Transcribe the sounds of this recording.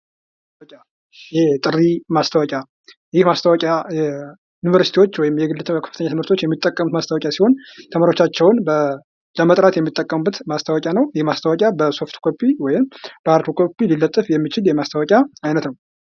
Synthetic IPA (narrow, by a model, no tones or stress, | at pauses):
kʲʼa | jɛt̪ʼɨrimast̪ʰəwɔkʲʼja | jɪhmast̪ʰəwɔkʼajɛ | junivəɾsit̪ʰiwo̞t͡ʃːwɔjɪmjɛɡɨlːɨt̪ʰkʰə̥fɨt̪ʰəɲːat̪ɨmɨɾt̪ʰo̞t͡ʃːjɛmːit̪ʼːəkʼːəmut̪mast̪awɔkʼasiho̞nt̪ʰəmaɾo̞t͡ʃːat͡ʃːɛwnbə | ləmət̪ʼɾat̪jɛmːit̪ʼːəkʼːəmbɨt̪mast̪ʰəwɔkʼanəwjɪhmast̪ʰəwɔkʼjabəso̞ft̪kʰopʼːiwɔjɪmb̥əaɾt̪ʰokʰo̞pʼːililːət̪ʼːɨfjɛmːit͡ʃɪljɛmast̪ʰawɔkʼjaajnət̪nəw